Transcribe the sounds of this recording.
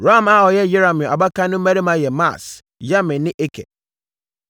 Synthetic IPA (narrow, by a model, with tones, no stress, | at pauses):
ɾa˦˨ma˦˨ɔ˨jɛ˦jɪ˦ɾa˨mɪ̃˨a̰˨ba˦kã˦nʊ̃˦m̩˦mæ˦ɾi˦mã˨˦jɛ˨ma̰˦˨s | ja˦mɪ̃˨nnɪ̃˦ʔe˦kʰɛ̰˨